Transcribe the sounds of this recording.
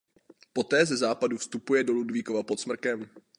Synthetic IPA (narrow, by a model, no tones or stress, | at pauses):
po̞t̪ɛːzɛzaːpadufst̪upujɛdo̞ludviːkovapo̞t̪smr̩kɛm